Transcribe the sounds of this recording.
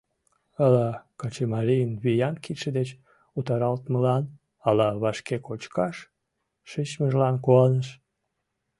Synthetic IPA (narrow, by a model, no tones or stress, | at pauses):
ɑlɑkɑt͡ɕemɑlijənβijɑnkit̪ʃed̪et͡ɕ | ut̪ɑɾɑlt̪məlɑn | ɑlɑβɑʃkekot͡ɕkɑʃː | it͡ɕməʒlɑnkoɑnəʃ